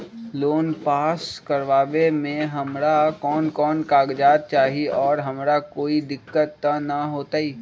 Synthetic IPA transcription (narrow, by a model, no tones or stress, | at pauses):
loːnpaːskɐɾʋaːʋemẽɦɐmɾakɔːnkɔːnkaːɡd͡ʒaːt̪̚t͡ʃaːɦiiʔɔːɾɦɐmɾakoːid̪ɪkːət̪ːanɐɦoːt̪aːiː